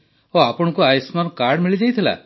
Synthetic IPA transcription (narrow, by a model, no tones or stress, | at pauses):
oapɔɽ̃ɔkuajsmaɾkaɾɽmiɭid͡ʒajt̪ʰila̰